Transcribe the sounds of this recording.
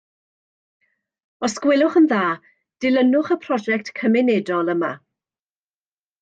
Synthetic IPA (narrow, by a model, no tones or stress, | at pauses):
ɔskwɪlˠʊχənðaː | d̥ɪlənʊχəpʰrɔd͡ʒɛk̚tkʰːəmɪnɛdɔlˠəma̰